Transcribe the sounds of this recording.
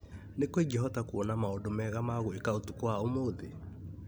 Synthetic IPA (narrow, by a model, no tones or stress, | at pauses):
nekweɡɛɦɔtakuɔnamaodomɛɣamaɣoekaotukwaomoðḛ